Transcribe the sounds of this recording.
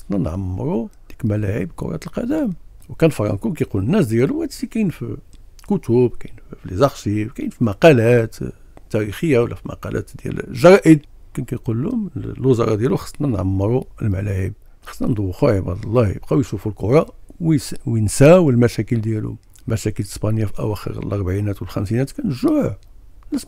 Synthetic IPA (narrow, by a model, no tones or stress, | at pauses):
ɑsˤnænʕamːəɾˤud̪̥iklmælæʕəbkʊ̰ɾˤɑ̰t̪əlqɑd̪æmwkænfɑɾˤɑ̰nkumkæjqulənːæsd̪jæluwhæd̪sikæjnfkʊt̪ubkæjnfflizɑxsiwkæjnfimɑqɑlæt̪ | t̪ːæɾixəjːawlːæ̰fimɑ̰qɑ̰lʔæ̰t̪d̪jæ̰l̰ʒɑɾˤɑʔəd̪kænkæjqulːmlwəzɑ̰ɾˤɑd̪jæluxɑ̥sˤːnænʕamːɾˤuəlmælæhəb̚ | xɑsˤnænd̪ˤuwːxuʕibɑʕd̪ˤɑlˤːɑjə̰b̚qæwjʃufulqoɾˤɑwwənsæwlmæʃækəld̪jælṵ | mæʃækələspɑnəjːafiʔæ̰wæxə̰ɾə̰lʔɑɾˤbʕinæt̪wəlxæmsinæt̪kænəʒːʊʕʕnæs